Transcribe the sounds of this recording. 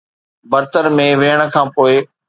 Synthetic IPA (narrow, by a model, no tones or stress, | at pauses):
bɐɾt̪əɾmẽʋeːəɽ̃ə̆kʰãːpoːɪ